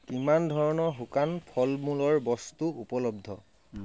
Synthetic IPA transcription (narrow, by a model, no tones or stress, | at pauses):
kimandʱɔɹɔnɔɹɦukanpʰɔlmulɔɹbɔstuupɔlɔb̚d̪ʱɔ